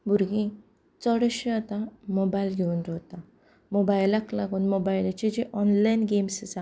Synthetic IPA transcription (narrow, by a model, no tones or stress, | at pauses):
bʱuɾɡĩ | t͡səɽəɕeat̪amobailɡʱeuːnɾɔt̪a | mobajlaklaɡuːnmobajlat͡ɕed͡ʑeʔɔnlajnɡemst͡sa